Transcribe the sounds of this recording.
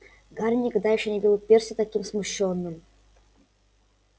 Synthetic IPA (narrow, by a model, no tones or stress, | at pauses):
ɡaɾʲnʲɪkɐɡd̪ajɪxɕonʲɪbʲɪlˠupʲersʲɪt̪ɐkʲimsmʊɕːonːɨm